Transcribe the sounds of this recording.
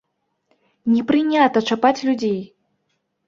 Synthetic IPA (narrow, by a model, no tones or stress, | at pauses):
nʲɛpɾɨnʲat̪ɐt͡ʂapat͡sʲlʲud͡zʲej